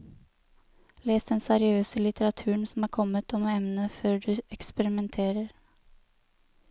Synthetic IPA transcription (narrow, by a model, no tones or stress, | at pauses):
leːsd̪ɛnsæɾɪøːsəlɪt̪əɾɑt̪ʰʉːəɳsɔmhɑːɾkʰɔmːət̪ʰɔmɛmnəføːɖʉɛkspɛɾɪmɛnt̪ʰeːɾəɾ